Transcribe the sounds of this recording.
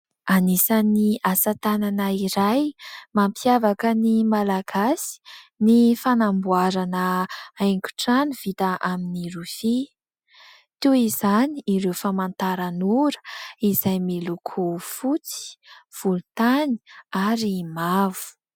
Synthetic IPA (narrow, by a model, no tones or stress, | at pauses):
anisaniasat̪ananəiɾajmampiavakənimalaɡ̥asi̥nifanambuaɾanəajŋkʲu̥ʈ͡ʂanuv̥it̪aʔaminiɾufi | t̪uizaniiɾewfamant̪aɾanuɾə̥izajmilukʰufut͡si̥v̥ulut̪ani̥aɾimavu̥